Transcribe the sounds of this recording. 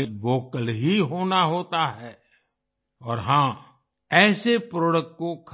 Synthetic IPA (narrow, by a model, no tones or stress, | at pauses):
ʋoːkəlɦiɦoːnaɦoːt̪aɦɛː | ɔːɾɦãː | ɛːsepɾoːɖəkʈkokʰ